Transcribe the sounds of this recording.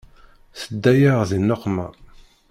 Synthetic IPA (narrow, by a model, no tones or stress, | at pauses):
θəd̪ːæjaʁðinːoqːma